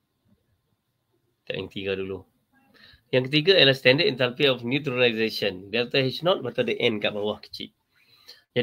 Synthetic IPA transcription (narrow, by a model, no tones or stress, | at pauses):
t̪a̰ʔja̰ŋkət̪iɡadulu | jãŋkət̪iɡaaəlahst̪ɛndətint̪anpiɔfnjut̪ɾilaizeʃəndɛlt̪ahɛsnɔt̪̚bat̪adəʔɛ̃nkaʔbawahkə̥t͡ʃḭt̪̚ | d͡ʒa